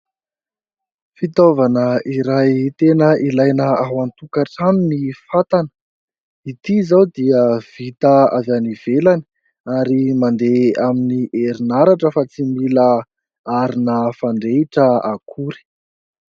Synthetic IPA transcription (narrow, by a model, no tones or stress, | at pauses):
fit̪ovanəiɾajt̪enəʔilajnəaɦwant̪ukaʈ͡ʂanunifat̪anə̥ | it̪izawd̪iəv̥it̪əavaniv̥elani̥ | aɾimand̪eaminiʔeɾinaɾaʈ͡ʂəfat͡simila | aɾinəfaɳɖ͡ʐeiʈ͡ʂəakʰuɾi̥